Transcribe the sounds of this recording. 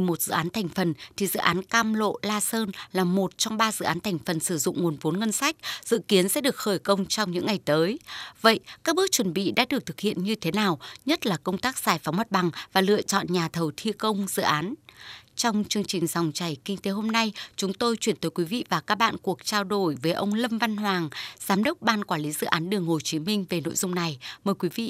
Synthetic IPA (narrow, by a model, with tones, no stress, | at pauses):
mo˨˩t̚z̥ɨ̰˧˨ʔaː˨˦nt̪ʰa˨˩jŋ̟fə˨˩nt̪ʰi˨˩zɨ̰˧˨ʔaː˨˦nkaː˧mlo̰˧˨laː˧səː˧nlaː˨˩mo˨˩t̚t͡ɕɔ˧wŋ͡mɓaː˧zɨ̰˧˨aː˨˦nt̪ʰɛ˨˩jŋ̟fə˨˩nsɨ˧˩zʊ̰˧˨ŋ͡mŋu˨˩ənvo˨˦nŋə˧nsa˦˥jk̟̚z̥ɨ̰˧˨ki˨˦ənsɛ̰˧˥ɗɨ˨˩ək̚xəː˧˩jkə˧wŋ͡mt͡ɕɔ˧wŋ͡mɲɨ̰˧˥ŋːa˨˩jt̪əː˨˦jvə̰˧˨jkaː˦˥k̚ɓɨ˦˥ək̚t͡ɕwə˨˩nɓḭ˧˨ɗa̰ː˧˥ɗɨ˨˩ək̚t̪ʰk̚hḭ˧˨ənɲɨ˧t̪ʰe˨˦naː˨˩wɲə˦˥t̚laː˨˩kə˧wŋ͡mt̪aː˦˥k̚z̥aː˨˩jfa˨˦wŋ͡mmə˦˥t̚ɓa˨˩ŋvaː˨˩lɨ̰˧˨ət͡ɕɔ̰˧˨nɲaː˨˩t̪ʰə˨˩wt̪ʰi˧kə˧wŋ͡mzɨ̰˧˨ʔaː˨˦nt͡ɕɔ˧wŋ͡mt͡ɕɨ˧əŋt͡ɕï˨˩ŋ̟za˨˩wŋ͡mt͡ɕa˨˩jkï˧ŋ̟t̪e˨˦ɦo˧mna˧jt͡ɕʊ˨˦ŋ͡mt̪o˧jt͡ɕwi˧˩ənt̪əː˨˦jkwi˨˦vḭ˧˨vaː˨˩kaː˦˥k̚ɓa̰ː˧˨nku˨˩ək̚t͡ɕaː˧wɗo˧˩jvəː˨˦jʔə˧wŋ͡mlə˧mva˧nɦwaː˨˩ŋzaː˨˦mɗə˦˥wk͡p̚ɓaː˧nkwaː˧˩li˨˦zɨ̰˧˨ʔaː˨˦nɗɨ˨˩əŋho˨˩t͡ɕi˨˦mï˧ŋ̟ve˨˩no̰˧˨jzʊ˧ŋ͡mna˨˩jməː˨˩jkwi˨˦vḭ˧˨